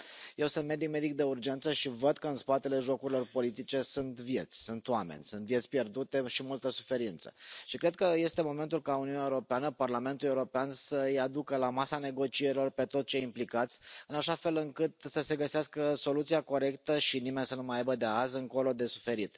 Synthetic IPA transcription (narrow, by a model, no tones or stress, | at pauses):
je̞wsɨnt̪med̪ik̚me̞d̪ik̚d̪e̞urd͡ʒe̞nt̪səʃivəd̪kəɨnspat̪e̞le̞ʒo̞kuɾilo̞rpo̞lit̪it͡ʃe̞sunt̪vje̞t̪sʲsunt̪wamḛnʲsunt̪vje̞t̪sʲpje̞rd̪ut̪e̞ʃimult̪əsu̥fe̞ɾint̪sə̥̰ʃikɾe̞d̪̚kəje̞st̪e̞mo̞me̞nt̪ulkauniuneaeuɾopeanəparlame̞nt̪ulieuɾo̞peansəɨjad̪ukəlamasane̞ɡo̞t͡ʃieɾilo̞rpe̞t̪o̞t̪̚t͡ʃe̞implikat̪sʲɨnaʃafe̞lɨŋkɨt̪səse̞ɡəseaskəso̞lut̪siako̞ɾe̞kt̪əʃinime̞nʲsənumajajbəd̪e̞azɨŋko̞lo̞d̪e̞su̥fe̞ɾit̪